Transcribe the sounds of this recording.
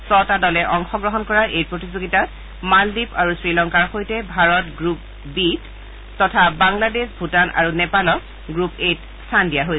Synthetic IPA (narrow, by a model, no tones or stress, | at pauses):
sɔtadɔlɛʔɔŋxɔɡɹɔɦɔnkɔɹaɹʔejpɹotizoɡitat | maldipaɹusɹilɔŋkaɹxojtɛbʱaɹɔtɡɹup̚ | bit | tɔtʰabaŋladesbʱutanʔa̰ɹunɛpalɔk | ɡɹupet | stʰandijaɦoj